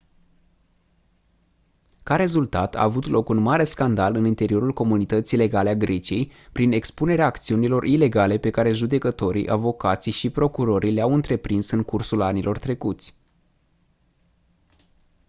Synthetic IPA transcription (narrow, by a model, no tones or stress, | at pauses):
kaɾe̞zult̪at̪a̰ːvut̪lo̞kunmaɾe̞skand̪alɨnint̪e̞ɾio̞ɾulko̞munit̪ət̪sile̞ɡaleaɡɾʔe̞t͡ʃie̞jpɾine̞kspune̞ɾeaːkt̪siunilo̞rʔile̞ɡale̞pe̞kaɾe̞ʒud̪e̞kət̪o̞ɾḭʔa̰vo̞kat̪sijʃipɾo̞kuɾo̞ɾʔileawɨnt̪ɾe̞pɾinsɨŋkursulanilʔo̞rt̪ɾe̞kut̪sʲ